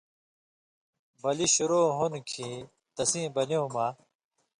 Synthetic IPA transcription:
bɐliɕuɾoːɦunkʰĩ | t̪ɐsĩːbɐliũmaː

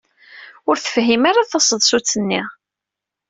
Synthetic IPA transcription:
ʊɾθə̥fɦimaɾaθɑsˤəðˤsut͡sːənːi

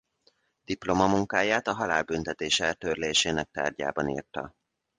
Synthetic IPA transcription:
d̪̥iplomɒmuŋkaːjaːt̪ɒɦɒlaːlbynt̪ɛt̪eːʃɛlt̪øːrleːʃeːnɛk̚t̪a̰ːrɟa̰ːbɒnḭːrt̪ɒ̰

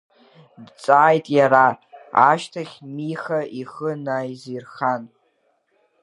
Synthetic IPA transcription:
dt͡sʼaːjtʼjaɾaa̰ʃtʰaχʲmiχaʔiχənajzirχan

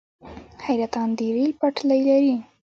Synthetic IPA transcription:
hajɾat̪ɑnd̪iɾilpaʈlajlaɾi

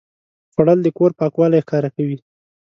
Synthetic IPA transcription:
xaɽəld̪əkoɾpɑkwɑlajxkɑɾakawi

